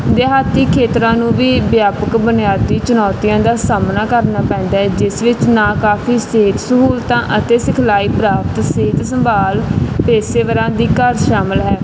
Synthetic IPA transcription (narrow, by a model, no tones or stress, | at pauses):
d̪eɦaːt̪iːkʰeːt̪ɾãːnũːʋiːbjaːpəkbənɪjaːd̪iːt͡ʃʊnɔːt̪ɪjãːd̪aːsaːmnaːkəɾnaːpɛ̃ːnd̪aːɦɛd͡ʒɪsʋɪt͡ʃnãːkaːpʰiːseːt̪səɦuːlt̪ãːʔət̪eːsɪkʰlaːiːpɾaːpt̪seːt̪səmbʱaːlpɛːseːʋəɾãːd̪iːkəɾʃaːməlɦɛː